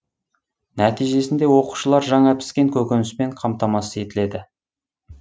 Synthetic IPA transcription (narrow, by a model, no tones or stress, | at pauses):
næt̪ijʒe̞sɪnd̪e̞wo̞qu̥ʃəlˠɑɾʒɑɴɑpɪ̥skʲe̞ŋkʲʰɵkʲenɪsme̞ɴqʰɑmt̪ɑmɑsəe̞t̪ɪle̞d̪ɪ